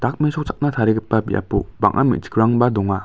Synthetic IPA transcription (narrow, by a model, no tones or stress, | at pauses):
d̥ak̚mesɔk̚t͡ʃʰak̚nat̪ʰaɾiɡɯpːabḭʔa̰puba̰ŋʔa̰mḭd͡ʒi̥ɡɾaŋbadɔŋa